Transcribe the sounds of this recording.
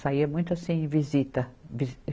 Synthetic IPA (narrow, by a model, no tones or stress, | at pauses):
saiɐmũj̃t̪ʊasĩẽvizit̪ɐviz